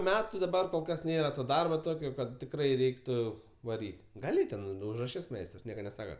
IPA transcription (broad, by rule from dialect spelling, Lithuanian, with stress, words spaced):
ˈmʲæːtʊ dɐˈbɐr koːlˠ ˈkɐs ˈnʲeːrɐ ˈtoː ˈdɐrboː ˈtoːkʲoː ˈkɐt tʲɪkˈrɐɪ ˈrʲɛɪktʊ ʋɐˈrʲiːtʲ ɡɐˈlʲɪ tʲɛn ʊʒrɐˈʃʲɪs ˈmʲɛɪstrs ˈnʲiɛkɐ nʲɛˈsɑːkɐ